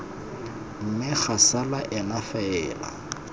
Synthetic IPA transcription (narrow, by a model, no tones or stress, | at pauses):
m̩mɪk͡xasalaʔɛnafaɛːla̰